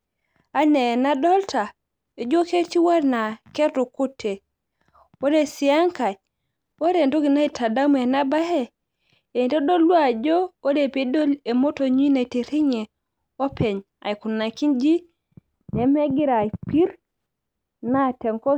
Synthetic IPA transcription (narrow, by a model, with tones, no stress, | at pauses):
a˦ne˨na˦do˦lta˨ | e˨d͡ʒo˦ke˦ti˦wa˦ɾna˨ke˦ɾtu˨ku˦tʰːe˨ | wo˦ɾe˨si˨ja˦ŋka˨j | wo˦ɾe˨ndo˦ɡi˨na˦i˨ta˨da˦me˨na˦ba˦he˦˨ | e˨do˦do˦lːu˦a˨d͡ʒo˦wo˦de˨pe˦do˦le˨mo˦to˨ɲu˦i˦na˨i˨ti˨ɾi˦ɲe˨ | o˦pʰe˨ɲ | a̰˨jku˨nːa˨ki˦nd͡ʒi˦ | ne˨me˦ɡi˦ɾa˨jpi˦ɾ | na˦te˨ŋko˦